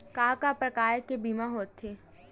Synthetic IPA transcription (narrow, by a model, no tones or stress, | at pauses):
kaːkapɾɐkaːjkebʱiːmaɦoːt̪ʰːeː